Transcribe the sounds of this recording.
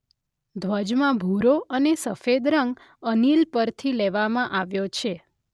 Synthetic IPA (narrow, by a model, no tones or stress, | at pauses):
d̪ʱʋəd͡ʒmãbʱuɾoənesəfed̪ɾəŋɡ | ənilpəɾt̪ʰileʋamãʔaʋjot͡ʃʰe